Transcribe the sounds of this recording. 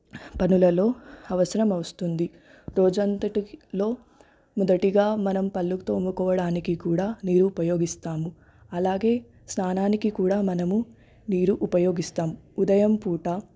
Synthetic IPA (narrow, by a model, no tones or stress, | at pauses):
pɐnulɐlo̞ːɐʋɐsɐɾɐmɐwust̪und̪i | ɾoːd͡ʒɐnt̪ɐʈilo̞ː | mɔd̪ɐʈiɡaːmɐnɐmpɐlːukt̪oːmukɔːʋɐɽaːnikikuːɽaːniːɾuːpɐjo̞ːɡist̪aːmu | ɐlaːɡe̞ː | snaːnaːnikikuːɽaːmɐnɐmu | niːɾuʔupɐjo̞ːɡist̪aːmuud̪ɐjɐmpuːʈɐ